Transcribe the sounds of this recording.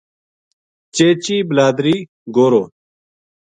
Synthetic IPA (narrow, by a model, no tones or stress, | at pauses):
t͡ʃeːt͡ɕiːblaːd̪ɾiː | ɡoːɾoː